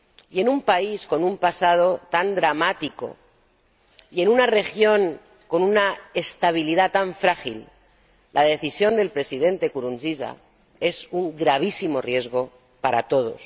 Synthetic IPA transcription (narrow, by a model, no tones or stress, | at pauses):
je̞numpaisko̞numpasað̞ot̪and̪ɾamat̪iko̞̰ | ie̞nunare̞xjo̞ŋ | ko̞nunaest̪aβ̞iliðat̪aɱfɾaxil | lʔað̞e̞θisjond̪e̞lpɾe̞siðẽ̞nt̪e̞kuɾunziza̰ | e̞suŋɡɾaβ̞isimo̞rje̞zɣo̞ | paɾa̰t̪o̞ðo̞̰s